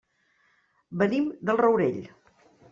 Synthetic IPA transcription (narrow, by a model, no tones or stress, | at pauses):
bənimd̪əlˠrəwɾeʎ